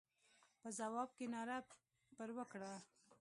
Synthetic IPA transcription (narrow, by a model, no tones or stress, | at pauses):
pəzawɑb̚kenɑɾa | pəɾwəkɽa